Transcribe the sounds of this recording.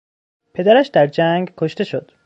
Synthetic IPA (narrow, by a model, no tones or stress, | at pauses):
pʰe̞d̪æɾæʃd̪æɾd͡ʒæŋɡkʰoʃt̪e̞ʃod̪̥